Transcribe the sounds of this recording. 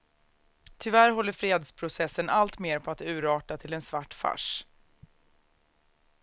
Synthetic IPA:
t̪ʰʏvæɾɦɔlːəɾfɾeːd̪spʰɾʊsɛsːənalt̪meːɾpʰɔat̪ʉ̟ːɾɑːʈat̪ʰɪlɛnsvaʈːfa̰ʂ

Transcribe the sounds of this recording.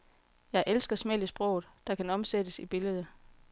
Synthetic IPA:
jɑ̈ɪʔelsɡ̥ɐsmel̰əsb̥ʁɔ̽ʊð̩ˠd̥ɑ̈kʰænɒ̽msed̥əsib̥e̝ləð̞ˠə

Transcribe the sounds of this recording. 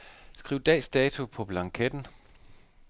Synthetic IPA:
sɡ̥ʁiʊ̰d̥ɛ̰ːsd̥ɛːt͡sʰupʰɒ̽b̥lɑ̈ŋkʰed̥n̩

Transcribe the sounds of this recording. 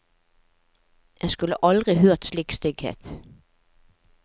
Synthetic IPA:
jæskʉləʔɑld̪ʁɪhøːʁt̪slikst̪ʏɡhḛːt̪

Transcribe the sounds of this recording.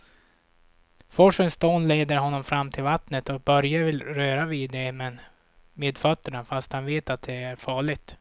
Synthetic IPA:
fɔʂənst̪oːnleːd̪əɾɦɔnːɔmfɾamːt̪ʰɪlvat̪nət̪ɔk̚bœɾjavɪlɾøːɾaviːd̪ːɛmɛn | meːd̪fœt̪ːəɳafast̪hanveːt̪at̪̚d̪ɛæɾfɑːɭɪɡt̪

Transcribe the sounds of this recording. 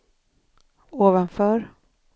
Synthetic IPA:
oːvanfœːɾ

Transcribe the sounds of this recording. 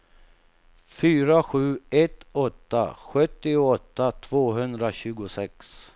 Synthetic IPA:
fyːɾaɧʉ̟ːɛt̪ːɔt̪ːa̰ɧɵt̪ːɪʊɔt̪ːat̪ʰv̥oːɦɵnd̪ɾaɕʉ̟ːɡʊsɛks

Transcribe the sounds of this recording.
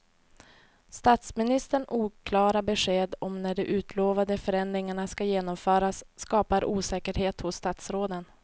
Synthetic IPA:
st̪at̪smɪnɪst̪əɳuːkʰlɑːɾabɛɧeːd̪ɔmnæɖɛʔʉ̟ːt̪ʰloːvad̪əfœɾɛnd̪ɾɪŋaɳaskajeːnɔmfœːɾasːkɑːpaɾʔuːsɛːkəɾheːt̪hʊsːt̪at̪sɾoːd̪ən

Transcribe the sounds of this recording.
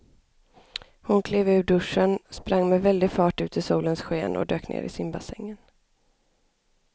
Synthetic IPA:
hʊnkʰleːvʉ̟ːɖɵʂːənspɾaŋːmɛvɛld̪ɪɡfɑːʈʉ̟ːt̪ʰɪsuːlənsɧeːnʔɔ̰d̪øːknḛːɾɪ̰sɪnbasɛŋːən

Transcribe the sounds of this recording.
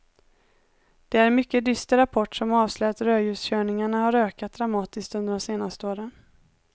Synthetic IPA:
d̪̥ɛæɾɛnmʏkːəd̪ʏst̪əɾapʰɔʈːʂɔmɑːvslœːat̪ɾøːjʉ̟ːsɕøːɳɪŋaɳahaɾøːkat̪̚d̪ɾamɑːt̪ɪsk̚t̪ɵnd̪əɖɔmseːnast̪əoːɾən

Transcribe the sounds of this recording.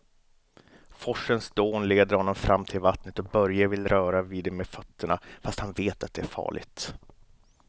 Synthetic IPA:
fɔʂənsd̪oːnleːd̪əɾhɔnːɔmfɾʔamːt̪ʰɪlvat̪nət̪ɔk̚bœɾjavɪlɾœːɾaviːd̪ɛmeːd̪fœt̪ʰːəɳa̰fast̪hanveːt̪at̪̚d̪ɛæɾfɑ̰ːɭɪ̰ɡt̪

